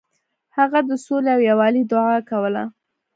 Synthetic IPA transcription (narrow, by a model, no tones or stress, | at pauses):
haɣad̪əsoleawjawɑlid̪ʊʕɑkawəla̰